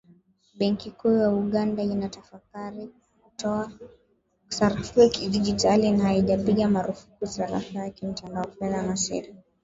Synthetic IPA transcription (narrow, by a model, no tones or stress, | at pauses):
ɓɛŋkikujauɠandainatafakaɾi | kutɔa | saɾafiɛkiʄid͡ʒit͡ʃalinahaiʄapiɠamaɾufu̥kusaɾa̰fajakim̩tandaɔfɛðamaʃɛ̰ɾi